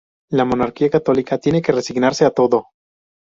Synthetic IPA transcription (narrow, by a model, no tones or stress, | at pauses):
lamo̞naɾkiakat̪o̞likat̪je̞neke̞re̞siɣnaɾse̞at̪o̞ðo̞